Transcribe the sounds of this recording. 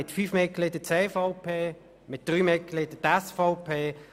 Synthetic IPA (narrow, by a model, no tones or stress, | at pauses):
ɪt̪fyːfmɪklɪdət͡seːfaʊpʰeː | mɪt̚d̥ʁyːmɪklɪd̥ət̪ɛsfɔʊpʰeː